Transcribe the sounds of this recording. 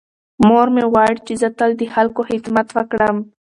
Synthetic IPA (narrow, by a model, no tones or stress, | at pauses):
moɾmewaɽt͡ʃezət̪əld̪əxalkohɪd̪mat̪wəkɽəm